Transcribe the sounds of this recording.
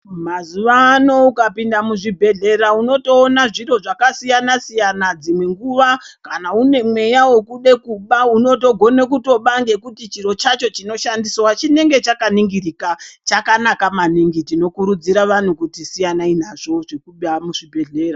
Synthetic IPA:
mazuʋaːno̞ukapindamuʐibʱe̞ɮe̞ɾauno̞to̞ːnaʐiro̞ʐakasijanasijanad͡zimwe̞ŋɡuʋakanaune̞mwe̞jawo̞kuɗe̞kuɓauno̞to̞ɡʱo̞ne̞kuto̞ɓaŋɡe̞kutit͡ʃiɾo̞t͡ʃat͡ʃo̞t͡ʃino̞ʃandiswat͡ʃine̞ŋɡe̞t͡ʃakaniŋɡirikat͡ʃakanakamaniŋɡitino̞kuɾud͡ziɾaʋan̤ukutisijanainaʐo̞ʐe̞kuɓamuʐibʱe̞ɮe̞ːra

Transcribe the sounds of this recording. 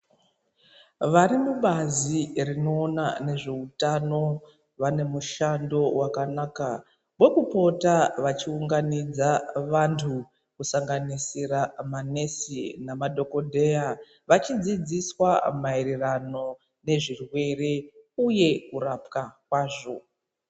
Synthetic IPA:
ʋaɾimuɓazirino̞ːnane̞ʐe̞utano̞ | ʋane̞muʃando̞wakanaːka | mwe̞kupo̞taʋat͡ʃiuŋɡanid͡zaʋantʰu | kusaŋɡanisiɾamane̞sinamadʱo̞ko̞dʱe̞ja | ʋat͡ʃid͡zid͡ziswamaeɾerano̞ | ne̞ʐirwe̞re̞uje̞kurapkakwaːʐo̞

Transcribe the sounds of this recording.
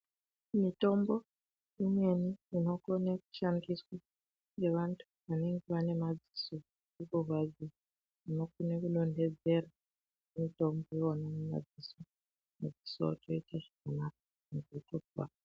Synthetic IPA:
mito̞mbo̞ | imwe̞niino̞koneku̥ʃaŋɡiswa | ŋe̞ʋantʰu̥ʋane̞ŋɡeʋane̞mad͡ziso | ukorwad͡zi | ino̞k̚unekulo̞nde̞d͡ze̞ra | mito̞mbojoonanema̰d͡ziso | mud͡zi̥so̰toitʰaʃemanak̚o̥ | muketokwa̰

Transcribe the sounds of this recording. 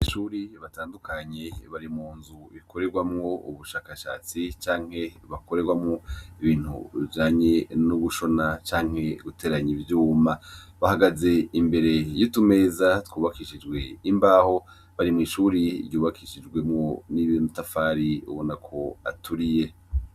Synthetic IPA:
iʃuːɾiβataːndukʰaɲe̞βaɾimuːnzuβikʰo̞ɾe̞ɾɡwamŋo̞ṵβuʃaːkaʃa̰ːt͡sit͡ʃaːŋ̥he̞βako̞ɾe̞ɡwamŋoiβiːn̥hṵβivd͡ʒaːɲe̞nuβuʃo̞nat͡ʃaːŋ̥he̞ɡute̞ɾaɲivjuːmaβahaɡaze̞imbe̞ɾe̞jutume̞ːzatkuːβakiʃid͡ʒɡwe̞imbaːho̞ | βaɾimŋiːʃuːɾḭɾɟuːβakʰiʃid͡ʒɡwe̞mŋo̞niβonutafaːɾiṵβonakʰo̞a̰tʰuɾije̞

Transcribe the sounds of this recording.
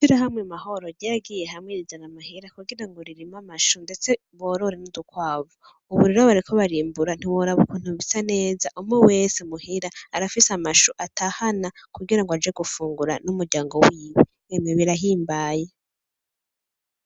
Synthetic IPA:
ʃiɾahamŋemaɦo̞ɾoɟaaɡiːjeɦamwiɾizaŋamaɦiɾakuɡiɾaŋɡoɾiɾimamaʃunde̞t͡se | βoːɾoɾenudukwaːvu | uβuɾiɾoβaɾikʰoβaɾiːmbuɾan̥iwoɾaβukun̥uβisane̞ːzaʔumŋowe̞semuhiɾaːɾafisamaʃuʔatʰahanakuɡiɾaŋɡoad͡ʒeɡufuːŋɡuɾa̰numuɾɟaːŋɡowiːβi | emŋeβiɾaɦiːmbaːje

